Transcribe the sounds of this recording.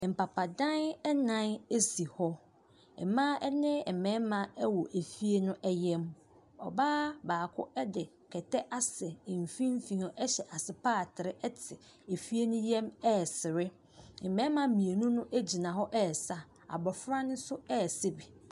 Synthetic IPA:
m̩˨pa˨pʰa˨dã˦nɛ˦nã˦ne˦si˨hɔ˦ | ɛ̰˨mã˦ɛ˦nɪ̃˦ɛ˨mɛ̃˨˦mã˦ɛ˦wɔ˨ʔe˨fi˦e˦nʊ̃˦ʔɛ˦jɛ˦m | ɔ˨baː˦baː˨kʰʊ̰˦ɛ˦dɪ˨ | kʰɛ˨tʰɛ˦ʔa˦sɛ˨m̩˨fĩ˦m˦fĩ˨ɔ˦ʔɛ˦ɕɛ˨ʔa˨sɪ˨paː˦˨tʰɪ˨ɾɪ˦ɛ˦tʰɪ˨ | e˨fi˦e˦nʊ̃˦jɛ̃˦mɛ˦˨sɪ˨ɾɪ˦ | ɛ˨mɛ̃˨˦mã˦mĩ˨e˨nũ˦nʊ̃˦ʔæ˦d͡ʑi˨nã˨ɦɔ˦ʔɛ˦˨sa˨ | a̰˨bɔ˨fɾa˦nʊ̃˦sʊ˦ɛ˦˨se˦bi˨

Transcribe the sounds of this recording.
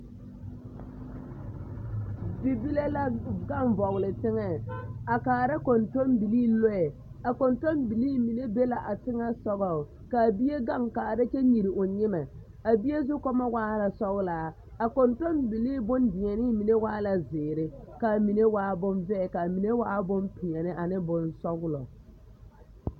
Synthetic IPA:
bi˨bi˦le˦la˦ɡa˦ɱvɔ˨ɣʊ˨lɪ˨tɪ˦ŋɛ˦a˨kaː˨ɾa˦ko˨nto˦mbi˨liː˦lo˦ɛ˨ | a˨ko˨nto˦nbi˨liː˦mi˨ne˦be˦la˨ʔa˨tɪ˦ŋɛ˦sɔ˦ɣɔ˨ | ka˨bi˦e˦ɡa˦ŋkaː˨ɾa˦t͡ʃɛ˦ɲi˨ɾɪ˨ʔʊ˨ɲɪ˦mɛ˨ | a˨bi˦je˦zʊ˦kɔ˦ma˦waː˦la˨sɔ˦ɣlaː˨˦ | a˨ko˨nto˦nbi˨liː˦bʊ˦ndɪ˨ɲɛ˨nɪ˦mi˨ne˦waː˦la˨zɪː˨ɾɪ˦ka˨mi˨ne˦waː˦bʊ˦nvɛ˦˨ka˨mi˨ne˦waː˦bʊ˦mpi˨ɲɛ˨nɪ˦ʔa˨nɪ˦bʊ˨nsɔ˦ɣʊ˦lɔ˨

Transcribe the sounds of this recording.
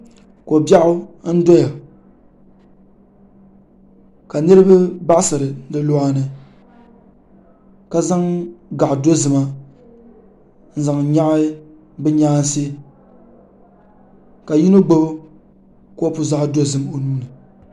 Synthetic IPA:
ko˨bja˦ʔʊ˦n̩˦do˦ja˨ | ka˨nɨ˦ɾɨ˦ba˦ba˦ʔsɨ˨ɾɨ˨dɨ˦lo˦a˦nɨ˨ | ka˦za˦ŋɡa˨ʔdo˦zɨ˨ma˦ | n̩˦za˨ŋ˨ɲa˦ʔ | bɨ˦ɲaː˦n˦si˦ | ka˨ji˦no˦ɡ͡bo˦bʊ˦ | ko˦pʊ˨za˦ʔdo˦zɨ˦mo˨nuː˦nɨ˨

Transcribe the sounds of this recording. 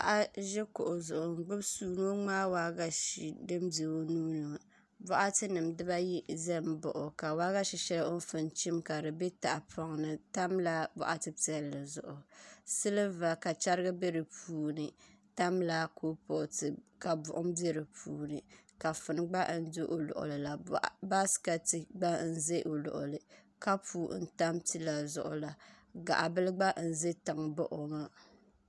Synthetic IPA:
a̰˦ʔa˦ʒɛ˦kʊ˨ʔʊ˨zʊ˨ʔʊ˨ŋ̩˨ɡ͡bɨ˦bsuː˨no˦ŋ͡maː˦waː˦ɡa˦ʃi˨dɨ˦mde˨wo˦nuː˦nɨ˨a˨ | bɔ˦ʔa˦tɨ˦nɨ˨mdɨ˦ba˦ji˦zɛ˦m˦bʊ̰˨ʔʊ˨ka˨waː˦ɣa˦ʃi˨ʃɛ˦la˦o˦n˦fɨ˨nt͡ʃi˦mka˨ɾɨ˨be˦ta˨ʔa˨pʰɔ˦ŋnɨ˦ta˦mla˦bɔ̰˨ʔa˦tɨ˦pi˨ɛ˨lːɨ˨zʊ̰˨ʔʊ˨sɨ˦lɨ˦va˨ka˨t͡ʃa˦ɾɨ˦ɡɨ˦be˦ɾɨ˨puː˨nɨ˨ta˦mla˦kʰo˦po˨ʔtɨ˨ka˨bʊ̰˨ʔʊ˦m˦be˦ɾɨ˨pʰuː˨nɨ˨ka˨fɨ˨nɨ˦ɡ͡ba˦ʔn̩˦dʊ˦ʔo˨lʊ̰˨ʔʊ̰˨lɨ˨la˨ba˦ska˨tɨ˨ɡ͡ba˦n̩˦ze˦ʔo˨lʊ̰˨ʔʊ̰˨lɨ˨ | ka˦puː˨˦n̩˨ta˦mtɨ˦la˨zʊ̰˨ʔʊ̰˨la˨ | ɡa̰˨ʔa˨bɨ˦lɨ˦ɡ͡ba˦ʔn̩˨ze˦ta˨ŋbʊ˦ʔo˨ma˦

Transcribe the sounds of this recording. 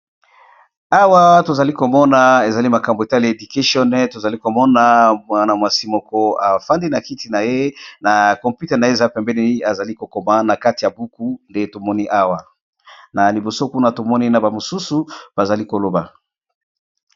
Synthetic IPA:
a˦wa˦to˨za˨li˦ko˨mɔ˦na˨e˨za˨li˦ma˨ka˨mbo˨e˨ta˦li˨e˨du˨ke˦ʃiɔ˦n˦to˨za˨li˦ko˨mɔ˦na˨mwa˨na˨mwa˨si˦mɔ˨kɔ˦a˨fa˦ndi˦na˨ki˦ti˨na˨je˦na˨kɔ̃˨mpu˦tɛ˨na˨je˦˨za˦pɛ˨mbɛ˦ni˦a˨za˨li˦ko˨kɔ˨ma˦na˨ka˦ti˨ja˨bu˦ku˦nde˦to˨mɔ˦ni˦ʔa˦wa˨ | na˨li˨bo˨so˦ku˦na˨to˨mɔ˦ni˦na˨ba˨mo˨su˦su˨b̥a˨za˨li˦ko˨lo˨ba˨

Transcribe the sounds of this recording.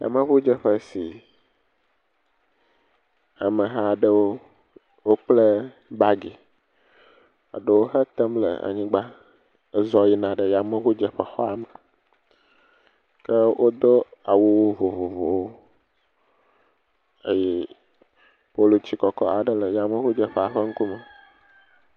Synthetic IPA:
ja̰˨mə̃˦βu˦d͡ʒə˦ɸə˦si˨ | a˨mə̃˨ɦa˦˨ɖə˦wo˦ | wo˦k͡plə˦ | ba˦ɡi˨ | a̰˨ɖə˦wo˦ɦə˦t̪ə˦mlə̰˨a̰˨ɲĩ˦ɡ͡ba˦ | ə˦zɔ˦ji˦nã˨ɖə˨ja˨mə˦βu˦d͡ʒə˨ɸə˨˦xɔ˦a˨mə˨ | kə˦wʔo˦d̪o˦a˨wo˦wo˦vo˨vo˨vo˨wo˦ | ə˦jɛ˦ | po˦lo˨t͡ʃi˦kɔ˨kɔ̰˦a˨ɖə˦lə˨ja˨mə̃˦xu˦d͡ʒə˨ɸə˦˨a˨ɸə˦ŋ̩˦ku˦mə˨

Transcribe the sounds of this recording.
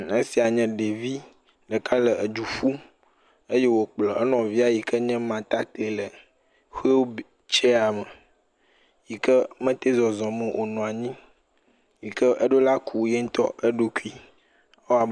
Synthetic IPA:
e˦si˨a˨ɲɛ̃˦ɖe˨vi˦ | ɖə˨ka˦lə˨ə˨d͡ʒu˨fu˦ | e˦je˦wo˨k͡plə˨ə˦nɔ̃˨vi˦a˨ji˨kə˦ɲɛ̃˦mã˨t̪a˦t̪e˨lə˨ | xe˦wb | t͡ʃe˦a˨mə˨ | ji˨kə˦mə̃˦t̪e˦zɔ˨zɔ̃˨mə˨ʔo˨nɔ̃˨a˨ɲĩ˦ | ji˨kə˦ʔə˦ɖo˦la˦kʰu˨˦jɛ˦ŋ̩˦t̪ɔ̰˦ʔe˦ɖo˦ku˦i˦ | o˦a˨b

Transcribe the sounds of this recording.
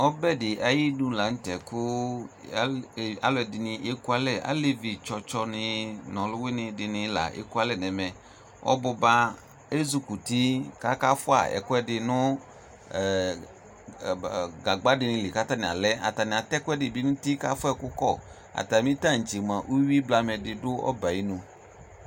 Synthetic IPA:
ɔ˦bɛ˦dɪ˨ʔa˨ji˦du˦la˨˦n̩˦tɛ˨kʊ˦˨ | a̰˦lɔ˦ɛ˨dɪ˨nɪ̃˨ʔe˦ku˦a˦lɛ˦˨a̰˦le˦vi˨t͡ʃɔ˨t͡ʃɔ˦nɪ̃˨nɔ̃˨lʊ˦wɪ˦nɪ̃˨dɪ˨nɪ̃˨la̰˨ʔḛ˦ku˦a˦lɛ˦˨nɛ˨mɛ̃˨ | ʔɔ̰˦bʊ˨ba˦ | e˦zu˦ku˨ti˦ka˦ka˦fʊ˦a̰˦˨ɛ̰˨kʊ˦ɛ˦dɪ˧nʊ̃˦˨ | ɡa˨ɡ͡ba˦dɪ˨nɪ̃˧lɪ˨ka˦ta˦nɪ̃˨a̰˨lɛ˦a̰˨ta˨nɪ̃˨a˨t̪ɛ˦kʊ˦ɛ˦dɪ˨bi˦nʊ̃˦ti˦ka˦fʊ˦ɛ˨kʊ˦kɔ˦˨ | a̰˨ta˨mĩ˦ta˦˨n̩˨t͡ʃi˨mã˨ʔu˦wi˦bla˨mɛ˨dɪ˨dʊ˦ɔ̰˦ba˨ji˦nũ˨

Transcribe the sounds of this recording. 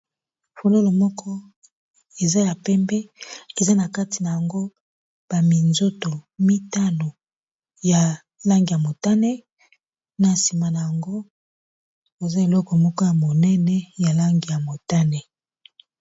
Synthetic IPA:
fo˨lo˦lo˨mɔ˦kʰɔ˦ | e˨za˦ja˨pɛ˦mbɛ˦e˨za˦na˨ka˦ti˨na˨ja˨ŋɡo˦ | b̥a˨mi˨nzo˦to˨mi˦ta˦no˨ | ja˨ | la˦ŋɡi˨ja˨mo˨ta˦nɛ˦ | na˨si˨ma˨na˨ja˨ŋɡo˦ | bo˨za˦e˨lɔ˦kɔ˨mɔ˦kɔ˦ja˨mo˨nɛ˦nɛ˦ja˨la˦ŋɡi˨ja˨mo˨ta˦nɛ˨

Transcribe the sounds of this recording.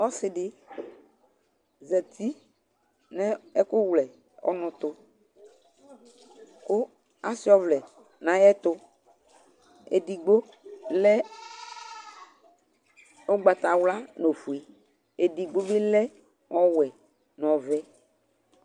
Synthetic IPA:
ɔ˦sɪ˨dɪ˦ | zɛ˨t̪ʰi˦ | nɛ̃˦ɛ˦kʊ˦wlɛ˨ | ɔ̰˨nʊ̃˨t̪ʊ˦ | kʊ˦ | a˦sɪ˦ɔ˦vlɛ˨ | nã˨˦jɛ˦t̪ʊ˦ | ḛ˨di˨ɡ͡bo˦ | lɛ˦ | o˦ɡ͡ba˨t̪a˨wla˦no˨fu˨i˨ | e˨di˨ɡ͡bo˦bɪ˦lɛ˦ | ɔ˦wɛ˨ | n˨ɔ̃˨vɛ˦

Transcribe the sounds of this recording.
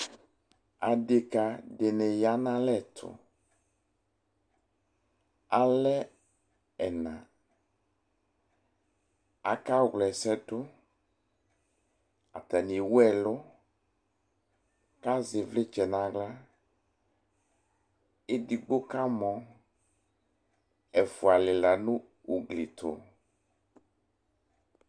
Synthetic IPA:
a˨ɖe˨ka˨ɖe˨nɛ˨ja˨˦nã˦lɛ˦˨t̪ʰʊ̰˨ | a˨lɛ˦ | ɛ˨nã̰˨ | a̰˨ka˦ɣlɛ˨sɛ˦dʊ˦ | a̰˨t̪a˨ni˨wu˦ɛ˨lo˦ | ka˦ze˨vle˦t͡ʃɛ˨nã˨ɡla˦ | e˦di˨ɡ͡bo˦ka˦mɔ̃˨ | ɛ˨fu˨a˨le˨la˨nũ˦ | u˨ɡli˨t̪ʰo̰˨

